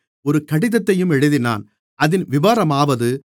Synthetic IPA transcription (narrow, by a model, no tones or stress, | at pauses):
ɔɾɯkɐɽɪðɐt̪ːɐjɯmɛɽɯðɪna̰ːn | ɐðɪnʋɪʋaːɾɐmaːʋɐðɯ